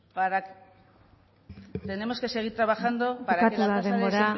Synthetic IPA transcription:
paɾa | t̪e̞ne̞mo̞ske̞se̞ɣ̞iɾt̪ɾaβaxand̪opaɾaakeuðaðembo̞ɾa

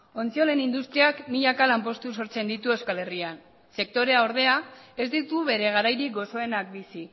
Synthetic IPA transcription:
o̞nt͡sio̞le̞nind̪ust̪ɾiakmiʎakalampo̞st̪us̬o̞ɾt͡se̞nd̪it̪ue̞skale̞rian | se̞k̚t̪o̞ɾe̞aoɾð̞e̞ae̞zd̪it̪uβe̞ɾe̞ɣaɾajɾikɡo̞so̞e̞nak̚bisi

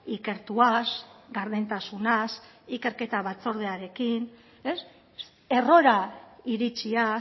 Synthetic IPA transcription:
ike̞ɾt̪uasɡaɾð̞ent̪asunasike̞ɾke̞t̪aβat͡so̞ɾð̞e̞aɾe̞kin | e̞s | e̞ro̞ɾaiɾit͡ʃia

